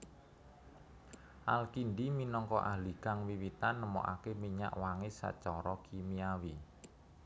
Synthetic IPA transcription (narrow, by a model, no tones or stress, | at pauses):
ʔalkind̪iminɔŋkɔ̰ʔaliɡ̥aŋwiwit̪anːəmɔ̰ʔa̰kemiɲa̰ʔwaŋɪsa̰t͡ʃɔɾɔkʰimiawi